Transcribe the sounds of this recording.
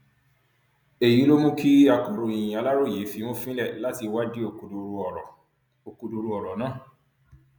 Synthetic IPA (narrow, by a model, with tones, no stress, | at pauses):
e˨ji˨˦lo˦mũ˦kʰi˦a˧kɔ̃˨ɾo˨˧ĩ˨j̃ĩ˨a˧la˦ɾo˦˨je˨˦fi˧˦mo˦fĩ˦lɛ˦˨la˦ti˧wa˦di˦o˨˧˨ | o˨ku˧du˧ɾu˧ɔ˨ɾɔ˨nãː˦˨